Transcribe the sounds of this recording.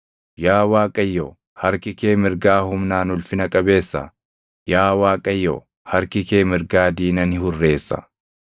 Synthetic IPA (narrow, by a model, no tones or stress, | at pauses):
jaːwaːkʼɐjːo | hɐɾkɪke̞ːmɪɾɡaːhʊmnaːnʊlfɪnɐkʼɐbe̞ːsːɐ̰ | jaːwaːkʼɐjːo̰ | hɐɾkɪkeːmɪɾɡaːd̪iːnɐnɪhʊrːe̞ːsːɐ̥̰